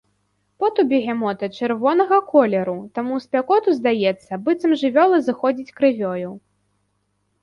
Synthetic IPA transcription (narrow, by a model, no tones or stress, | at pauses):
pɔt̪ubʲɛɣʲɛmɔt̪ɐt͡ʂɨrvɔnɐɣɐkɔlʲɛɾut̪amusʲpʲakɔt̪uzd̪ajɛt̪sːɐbɨt̪sɐmʐɨvʲɔlˠɐzɨxɔd͡zʲit͡sʲkɾɨvʲɔju